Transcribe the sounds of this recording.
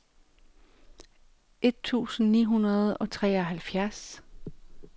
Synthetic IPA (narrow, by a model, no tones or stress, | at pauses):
e̝d̥̚t͡sʰṵːsn̩nḭːɦunɐð̞̩ˠɒ̽t͡sʰʁɛ̰ːɒ̽ɦælfjæɐs